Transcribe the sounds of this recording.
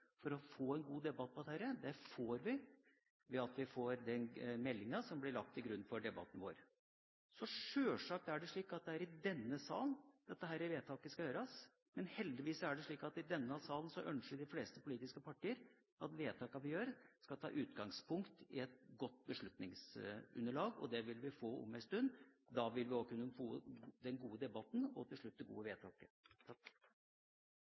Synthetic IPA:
fɔɾɔfoːɛnɡuːd̪ɛbɑt̪̚ːpʰɔd̪ɛhæːɾəd̪ɛfoːɾʋɪ | ʋɛɑt̪ʋɪfoːɾd̪ɛnmɛlːɪŋɑsɔmblɪɭɑk̚t̪ɪɡɾʉnːfɔɖɛbɑ̰t̪ːn̩ʋo̰ːɾ | sɔʂøːʂɑːk̚t̪æɖɛʂɭiːkɑt̪̚d̪ɛæɾɪd̪ɛnːəsɑ̰ːlənd̪̥ɛt̪ːəɦæːɾəʋeːt̪ʰɑːkəskɑjøːɾɑs | mɛnhɛld̪ɪʋiːsɔæɖɛʂɭiːkɑt̪ɪd̪ɛnːəɑsɑːlən̩sɔʔœnʂəɖɪfleːst̪əpʰʊliːt̪ɪskəpʰɑʈːiːəɾ | ɑt̪ʋeːt̪ʰɑːkɑʋɪjøːɾskɑlt̪ʰɑ̰ːʔʉːt̪ɡɑŋspʰʊŋkt̪ɪ̰ɛt̪ɡɔt̪ːbəʂɭʉt̪nɪŋsʉ̰nːəɭɑːɡɔ̰d̪ɛʋɪlʋɪfoːɔ̰mːæɪst̪ʉnːd̪ɑʋɪlʋɪokʰʉnːəfoːd̪ɛnɡuːəd̪ɛbɑt̪nɔ̰t̪ʰɪlʂɭʉt̪̚ːd̪ɛɡṵːəʋeːt̪ʰɑːkə

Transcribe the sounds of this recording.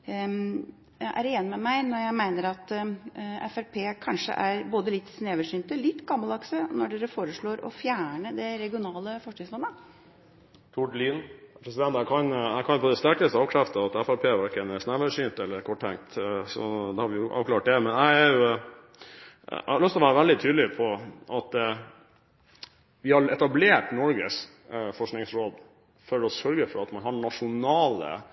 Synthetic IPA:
jʔæɾeːnəmɛmæɪnɔɾjæɪmæɪnəɾɑt̪ | ɛfæɾpʰeːkʰɑnʂə̰ʔæɾboːd̪əlɪt̪ːsneːʋəʂyːnt̪əlɪt̪ːɡɑmːɑlɑksənɔɖeːɾəfoːɾəʂɭoːɾɔ̰fjæːɳəd̪ɛɾɛɡɪʊnɑːləfɔʂɳɪŋslɑnːə | t̪ʰuɖliːnpʰɾɛsɪd̪ɛnt̪æɪkʰɑnæɪkʰɑnpʰɔəd̪ɛst̪æɾkəst̪əɑːʋkʰɾæft̪əɑt̪ɛfæpʰeːʋæɾkənɛsnæʋəʂyːnt̪ɛlːəɾkʰɔʈʰːɛŋkt̪sɔ̰d̪ɛhɑɾʋɪjʊʔɑ̰ːʋklɑːʈ̚d̪ɛmɛnæɪæɾjʊ | æ̰hɑɾɭʉst̪lɔʋæːɾəʋæld̪ɪt̪ʰyːd̪lɪpʰɔʔɑt̪ | ʋɪhɑɾɛt̪ɑbleːʈnɔɾɡəs | fɔʂknɪŋsɾoːd̪ | fɔɾɔsœɾɡəfɔɾɑt̪mɑnɦɑɳɑʂʊnɑːlə̰

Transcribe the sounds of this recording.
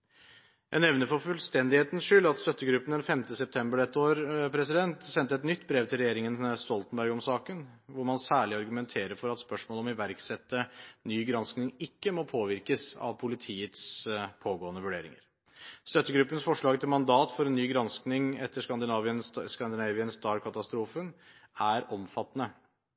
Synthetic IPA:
æ̰ɛnɛʋnəɾfɔɾfʉlst̪ɛnd̪ɪheːt̪ən̩sʂʏlːɑt̪st̪œt̪ːəɡɾʉpːənd̪ɛnfɛmt̪əsɛp̚t̪ʰɛmbəɖɛt̪ːəoːɾpʰɾɛsɪd̪ɛnt̪sɛnt̪ːəɛt̪nʏt̪ːbɾeːʋt̪ʰɪlɾɛjeːɾɪŋənst̪ɔlt̪ən̩bæɾɡɔmsɑːkənʋʊɾmɑnsæːɭɪɑɾɡʉmɛnt̪ʰeːɾəɾfɔɾɑt̪spœʂmoːlɔmɪʋæɾksɛt̪ːənyːɡɾɑnsknɪŋɪkːəmɔpʰoːʋɪɾkəsɑ̰ʋpʰʊlɪt̪ʰiːət̪spʰoːɡoːənəʋʉɖeːɾɪ̰ŋə̰ɾ | st̪œt̪ːəɡɾʉpːənsfɔʂɭɑːɡt̪ʰɪlmɑnd̪ɑːt̪fɔɾɛnnːyːɡɾɑnsknɪŋɛt̪ːəʂkɑnd̪ɪnɑːʋɪənskɑnd̪ɪnɑːʋɪənsd̪ɑːɾkʰɑt̪ɑst̪ɾuːfən | ʔæɾɔmfɑt̪ːnə

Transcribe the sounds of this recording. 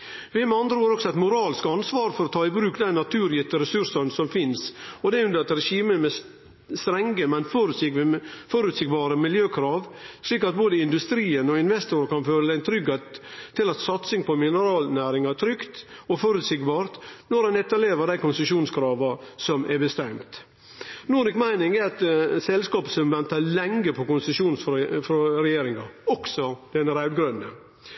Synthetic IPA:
ʋɪmɛɑnd̪ɾəoːɾɔksɔɑt̪mʊɾɑːlɪskɑnsʋɑːɾfɔɾɔt̪ʰɑːɪbɾʉːkd̪ænnɑt̪ʰʉːɾjɪt̪ːəɾɛsʉɾsɑnsɔmfɪnsɔd̪ɛʉnd̪əɾɑt̪ɾɛʂiːməmɛ | st̪ɾɛŋɡəmɛnfɔɾ | fɔɾʉt̪sɪɡbɑːɾəmɪljøːkʰɾɑːʋʂɭiːkɑt̪̚boːd̪əɪnd̪ʉst̪ɾiːənɔɪnʋɛst̪ʊɾəkɑnføːɾəd̪æɪt̪ʰɾʏɡheːt̪ʰːɪlɑt̪sɑt̪sɪŋpʰɔmɪnəɾɑːlnæːɾɪŋɑt̪ʰɾʏkt̪ɔfɔɾʉt̪sɪɡbɑːɾt̪nɔɾɛnɛt̪ːɑleːʋəɾd̪æɪkʊnsəʂuːnskʰɾɑːʋɑsɔmʔɛbəst̪ɛmt̪ | nuːɾɪkmæɪnɪŋɛɾɑt̪sɛlskɑːpəsɔmʋɛnt̪ɑlɛŋɡəpʰɔkʊnsəʂuːnsfɾɔɾɛjeːɾɪŋɑɔksɔd̪̥ɛnəɾæʉd̪ɡɾœnːə

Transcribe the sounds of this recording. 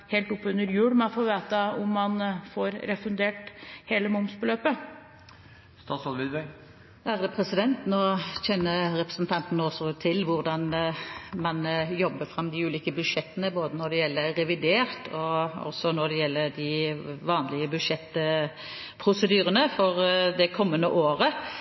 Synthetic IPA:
heːlt̪ʊpːʉnəɾjʉːɽmɛnfoːʋeːt̪əʊmːɑnfoːɾɾɛfʉnd̪eːʈheːləmʊmsbəløːpə | st̪ɑːsɑlʋɪd̪ʋæɪ | æʁd̪ɛpʰʁɛsɪd̪ɛnt̪noːçɛnːəɾɛpɾəsnt̪ʰɑnt̪n̩osɔt̪ʰɪlʋʊʁd̪ɑn | mɑnjɔbːəfɾɑmːd̪ɪʉːliːkəbʉd̪ʂɛt̪ːənəboːd̪ənɔɖ̪ɛjɛlːəɾɛʋɪd̪eːʁt̪ʰɔɔ̰sɔnɔd̪ɛjɛlːəd̪ɪʋɑːnlɪəbʉd̪ʂɛt̪ː | pʰɾʊsəd̪yːʁənəfɔʁd̪ɛkʰɔmːənːəʔoːɾə

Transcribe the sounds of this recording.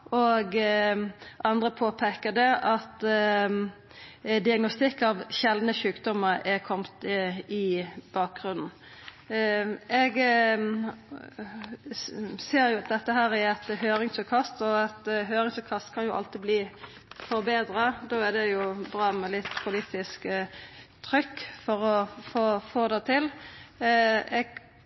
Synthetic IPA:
ɔɡ | ʔɑnd̪ʁəpʰoːpʰɛkəd̪ɛʔɑt̪ | d̪ɪɑɡnɔst̪ɪkːɑʋɕɛld̪nəʃʉːkd̪ɔmːəɾɛkʰɔmt̪ɪb̥ɑːk̚ɡʁʉnn̩ | ɛɡ | seːɾjʊɑt̪̚d̪ɛt̪ːəɦæːɾæɾɛt̪ɦøːɾɪŋsʉkʰɑst̪ɔɑt̪ɦøːɾɪŋsʉkʰɑst̪kʰɑnjʊʔɑ̰lt̪ɪbliː | fɔɾbeːd̪ɾɑd̪oːæd̪ɛjʊbʁɑːmɛlɪt̪ːpʰʊliːt̪ɪsk | t̪ʰɾʏkːfɔɾɔfoːfoːd̪ɛt̪ʰɪl | ɛɡ

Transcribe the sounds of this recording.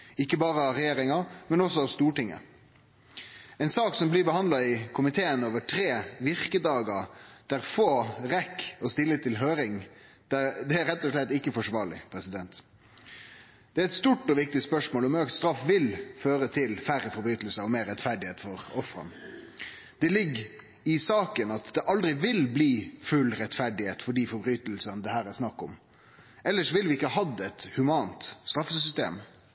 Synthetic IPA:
ɪkːəbɑːɾəɑʋɾɛjeːɾɪŋɑmɛnɔsɔɑʋst̪uːʈɪŋːə̰ | ɛɪnsɑːksɔmblɪbəhɑnd̪ɑɪkʰʊmɪt̪ʰeːənoːʋəʈʰɾeːʋɪʁkəd̪ɑːɡɑd̪̥æɾfoːʁɛkːɔst̪ɪlːət̪ʰɪlɦøːɾɪŋ | d̪̥æd̪ɛæɾɛt̪ːɔʂlɛt̪ːɪkːəfɔʂʋɑːɭɪ̰pʰɾɛsɪd̪ɛnt̪ | d̪̥ɛæɾɛt̪st̪uːʈːɔʋɪk̚t̪ɪspœʂmoːlɔmœkt̪st̪ɾɑfʋɪlføːɾət̪ʰɪlfæɾəfɔɾbɾyːt̪əl̩səɔmeːɾɛt̪fæɖɪheːt̪fɔɾɔfɾɑ̰n | d̪̥ɛlɪɡː | ɪsɑːkənɑt̪d̪ɛʔɑld̪ɾɪʋɪlbliːfʉlɾɛt̪fæɖɪheːt̪fɔɖiːfɔɾbɾyːt̪l̩sənd̪ɛhæːɾæsnɑkːɔm | ʔɛlːəʂɔʋɪlʋɪɪkːəhɑd̪ɛt̪hʉmɑːnt̪st̪ɾɑfːəsʏst̪ḛːm

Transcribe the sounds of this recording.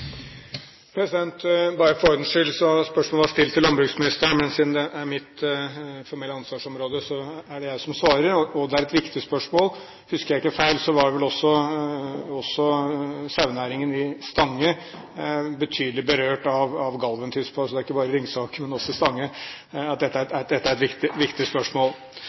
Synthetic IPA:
pʰɾɛsɪd̪ɛnt̪bɑɾəfɔɾd̪n̩ʂʏlsɔspœʂmoːləʋɑʂt̪ɪlt̪ʰɪlːɑnbɾʉɡsmɪnɪst̪əɳmɛnsɪnd̪əʔæɾmɪt̪ | fɔɾmɛlːəɑnsʋɑːʂɔmɾoːd̪əsɔæɖɛjæɪsɔmsʋɑːɾəɾɔɔd̪ɛæɾɛt̪ʋɪkt̪ɪspœʂmoːl | hʉskəɾjæɪkːəfæɪlsɔʋɑɖɛʋɛlɔsːɔ | ɔsːɔsɑʉnæːɾɪŋənɪst̪ɑŋːə | bət̪ʰyːd̪əlɪbəɾøːʈɑʋɑʋɡɑlʋənt̪ʰyːspʰɑsɔd̪æɾɪkːəbɑːɾəɾɪŋːsɑːkəmɛnɔsːɔɪst̪ɑŋːə | ɑt̪̚d̪ɛt̪ːæɾæd̪ɛt̪ːəæɾɛt̪ʋɪkt̪ɪʋɪkt̪ɪspœʂmoːlˠ

